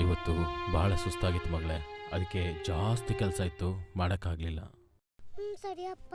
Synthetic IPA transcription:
iʋɐt̪ːubʱaːɭɐsust̪aːɡit̪ːumɐɡɐɭeɐd̪ɐkːe̞d͡ʒaːst̪ikɛlsajit̪ːumaːɽɐkːaːɡlilːɐ̰ | sɐɾiɐpː

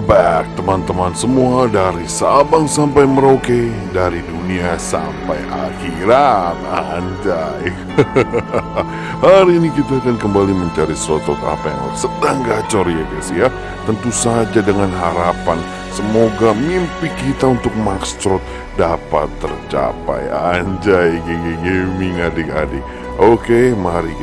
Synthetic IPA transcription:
bak̚t̪əmant̪əmansəmuadaɾisabaŋsampajməɾoke | daɾiduniasa̰mpajʔa̰hiɾananda | haɾiːnikit̪aːkankəmbaliməɲt͡ʃaɾisɾɔt̪ɔt̪a̰paja̰ŋ̰sədaŋɡat͡ʃɔrjaɡasija | t̪ənt̪usad͡ʒadəŋanɦaɾapan | səmoɡamimpikit̪aunt̪ʊk̚makst̪ɾɔt̪̚ | dapa̰t̪ːərt͡ʃa̰pa̰jaɲd͡ʒajɡeŋiɡemɪŋadɪka̰dɪk̚ | ʔokemaɾi

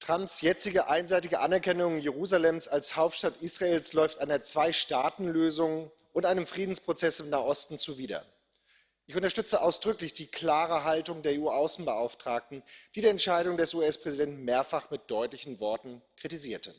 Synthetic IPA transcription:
tʁ̥ampsjɛt͡sɪɡəʔaɪnzaɪtɪɡəʔanɛɐkɛnʊŋjeʁuːzalɛmsalshaʊp̚tʃtatʔiːsʁ̥aeːlslɔʏftʔaɪnɐt͡sv̥aɪʃtaːtn̩løːzʊŋ | ʔʊntʔaɪnəmfʁ̥iːdn̩spʁ̥ot͡sɛsɪmnaːɐʔɔstn̩t͡suviːdɐ̰ | ʔɪçʊntɐʃtʏt͡səʔaʊsd̥ʁʏklɪçd̥iːkl̥aːʁəɦaltʊŋdeːɐeːuːaʊsn̩bəʔaʊftʁ̥aːk̚tn̩d̥iːdiːɐɛntʃaɪɾʊŋdɛsuɛspʁ̥ɛzidɛntmeːɐfaχmɪt̚d̥ɔʏtlɪçn̩vɔɐtn̩kʁ̥itiziːɐtʰə

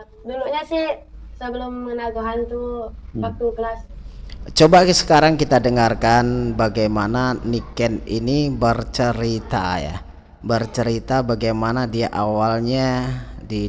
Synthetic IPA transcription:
duluʔɲasɪhsəbəlomːənaɡuɦant̪uwak̚t̪ukəlast͡ʃobaksə̥kaɾaŋkit̪adəŋarkanbaɡajmananikɛninibərt͡ʃəɾit̪aja̰ | bərt͡ʃəɾit̪abaɡajmanadiaʔawalɲadi

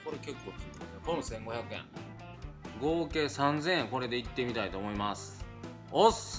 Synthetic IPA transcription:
ko̞ɾeke̞kːo̞ːkit̪ekõnsẽ̞ŋɡo̞çakɯ̟ḛ̃ŋ | ɡo̞ːke̞ːsãnd͡zẽ̞ɰẽŋko̞ɾe̞d̪e̞it̪ːe̞mʲit̪ait̪o̞ːmo̞imasɨ̥ | os

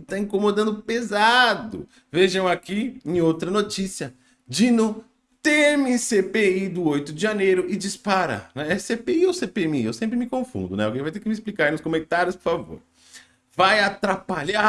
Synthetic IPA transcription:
t̪aĩkomod̪ɐ̃nd̪ʊpezad̪ʊ̰ | veʒɐ̃w̃akiẽj̃owt̪ɾɐnot͡ʃisiɐ | d͡ʒinʊ | t̪emɪsepeid̪ʊojt̪ʊd͡ʒɪʒanejɾʊʔɪd͡ʒispaɾa̰ɾnɛɛsepeiowsepeemiewsẽmpɾɪmɪkõfṵ̃nd̪ʊnɛʊkevajt̪ekɪmɪisplikaɾnʊskomẽnt̪aɾjʊspʊɾfavo̰ɾ | vajat̪ɾapaʎa

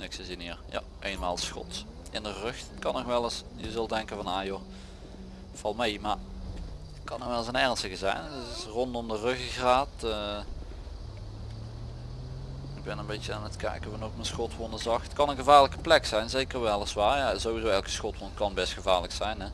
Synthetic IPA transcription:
ɪksəziniːɹja̰ | ʔeːnma̰ːlˠsxɔ̰t | ɪndərɵxtkɑnːɔxʋɛlˠəsjəzɵlˠdɛŋkənvɑnaːjo | fɑlˠmejmaɹ | tkɑnəʋɛlˠəzənɛɹnstəɣəzɛ̰jnɪsrɔndɔmdərɵxəɣraːtə | ɪɡ̚bɛnənbejtjəaːnətkɛ̰jkvənɔxmənsxɔtʋɔnəzɑxtkɑnənɣəvaːɹləkə̥plɛksɛjnzekəɹʋɛlˠəsʋaːɹjazowʋizoːwɛlˠkə̥sxɔtʋɔnkɑnbɛstxəvaːɹləksɛjnɛ

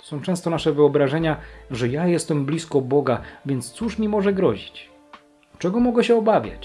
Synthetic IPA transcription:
sɔ̃w̃t͡ʂɛ̃st̪ɔnaʂɛvɘɔbɾaʐɛɲaʐɛjajɛst̪ɛmblʲiskɔbɔɡavʲjɛnt̪st̪suʂmʲimɔʐɛɡɾɔ̰ʑit͡ɕ | t͡ʂɛɡɔmɔɡɛɕɛɔbavʲja̰t͡ɕ

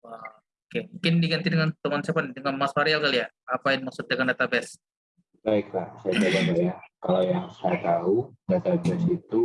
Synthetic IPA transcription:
wa | okemuŋkɪndiɡant̪idəŋant̪əŋansɛpandəŋanmasaɾialkalija | apajanmaksʊt̪̚dəŋandat̪abɛs | baɪk̚lasajad͡ʒaɡadajakalajaŋsajat̪audat̪abɛsit̪u

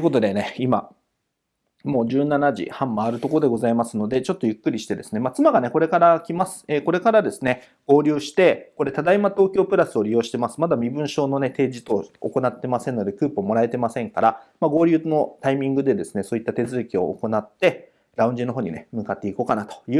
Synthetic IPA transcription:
oɯko̞t̪o̞d̪e̞ne̞ima̰ | mo̞ːʑɨːnanaʑḭhãmːaːɾɯ̟t̪o̞kod̪e̞ɡo̞zaimasɨno̞d̪e̞t͡ɕo̞t̪ːo̞jɯ̟kːɯ̟ɾʲiɕi̥t̪e̞d̪e̞sɨne̞mat͡sɨmaɡane̞ko̞ɾe̞kaɾakʲimasɨ̥eːko̞ɾe̞kaɾad̪e̞sɨ̥ne̞ | ɡ̥o̞ːɾʲɨːɕi̥t̪e̞ko̞ɾe̞t̪ad̪aimat̪o̞ːkʲo̞ːpɯ̟ɾasɨo̞ɾʲijo̞ːɕi̥t̪e̞masɨ̥mad̪amʲibɯ̟̃ɰ̃ɕo̞ːno̞ne̞t̪e̞ːʑit̪o̞̰ːko̞nat̪ːe̞masẽ̞nːo̞d̪e̞kɯ̟ːpɯːmo̞ɾae̞t̪emasẽ̞ŋkaɾamaɡo̞ːɾʲɯːno̞t̪aimʲĩŋɡɯ̟d̪e̞d̪e̞sɨ̥ne̞so̞ːit̪ːat̪e̞zɨːkʲio̞̰ːko̞nat̪ːe̞ | ɾaɯ̃ɲ̟d͡ʑino̞ɦo̞ːɲ̟ḭne̞mɯ̟kat̪ːe̞iko̞ːkanat̪o̥jɯ̟ː

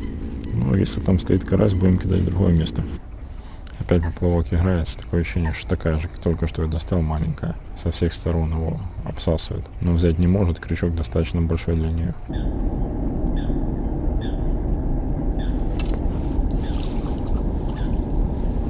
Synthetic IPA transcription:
nṵjḛsʲlʲɪt̪amst̪ɐit̪kɐɾʔas̬ʲbudʲɪmkʲɪd̪a̰dʲd̪ɾʊɦo̞̰jəmʲe̞st̪ə | ɐpʲætʲpəplˠɐvokʲɪɣɾajɪt̪sə̥t̪ɐ̥ko̞jəɕːenʲɪjəʂt̪ot̪ɐkajəʐɨkt̪o̞lʲkəʂt̪ojod̪ɐst̪alˠmalʲɪ̰ŋʲkəjəsɐfsʲe̞xst̪ɐɾo̞nɪvo̞̰ɐ̰psasvʊ̰jɪ̰t̪novzʲæt̬̚ʲnʲɪmo̞ʐɨt̪kɾʲɪt͡ɕok̚d̪ɐst̪at̪ə̥t͡ɕnəbɐlʲʂo̞jd̪lʲənʲɪjo̰

